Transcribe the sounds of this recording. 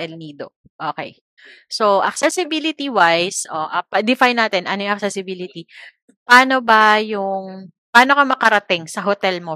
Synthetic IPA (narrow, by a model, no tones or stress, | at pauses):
ɛlniːd̪o | ʔoːkɛ̰j | soʔɐk̚sɛsɪbiːlɪt̪iwajsʔoʔɐpɐd̪ɪfajnːaːt̪ɛnʔɐnojʊŋʔɐk̚sɛsɪbiːlɪt̪i | paːnobɐjʊŋ | paːno̞kɐmɐkɐɾɐt̪ɪŋsɐɦot̪ɛlmo